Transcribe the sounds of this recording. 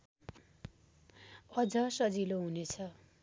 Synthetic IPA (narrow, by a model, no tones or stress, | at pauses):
ʌd͡zʌsʌd͡ziloɦunet͡sʰʌ